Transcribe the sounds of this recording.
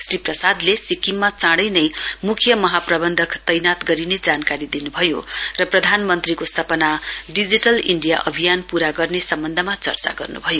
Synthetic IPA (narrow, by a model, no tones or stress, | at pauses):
sriprʌsad̪lesikimːat͡sãɽʌjnʌjmukʰjʌmʌɦaprʌbʌnd̪ʱʌkt̪ʌjnat̪ɡʌɾined͡zankaɾid̪inubʱʌjorʌprʌd̪ʱanmʌnt̪rikosʌpʌnaɖid͡ziʈʌliɳɖija̰ʔʌ̰bʱijanpuɾaɡʌrnesʌmbʌnd̪ʱʌmat͡sʌ̰rt͡sa̰ɡʌrnṵbʱʌjo